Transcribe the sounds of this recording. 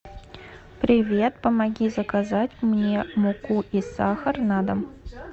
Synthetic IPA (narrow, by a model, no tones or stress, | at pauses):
pɾʲivʲet̪pəmaɡʲizɐkazatʲmnʲemukuʔisɑxərnɑd̪əm